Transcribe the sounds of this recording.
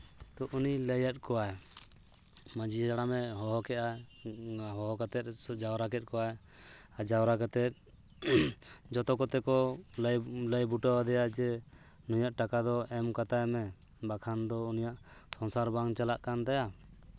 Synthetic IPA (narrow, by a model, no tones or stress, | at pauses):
t̪ɔʔuniləjət̪̚ˀkɔwaj | məd͡ʒid͡ʒaɽamɛɦɔɦɔkɛʔa | ɦɔɦɔkat̪ɛt̪̚d͡ʒawɾakɛt̪̚kɔwaj | ad͡ʒawɾakat̪ɛt̪̚ | d͡ʒɔt̪ɔkɔt̪ɛkɔljləjbuʈawad̪ɛjad͡ʒɛ | nujaʔʈakad̪ɔɛmkat̪ajmɛ | bakʰand̪ɔunijaʔsɔnsaɾbaŋt͡ʃalaʔkant̪aja